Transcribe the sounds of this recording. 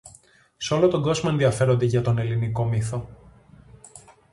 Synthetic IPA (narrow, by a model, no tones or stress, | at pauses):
seo̞lot̪o̞ɡo̞zmɐe̞nðiɐfe̞ɾo̞nd̪e̞ʝɐt̪o̞ne̞liniko̞miθo̞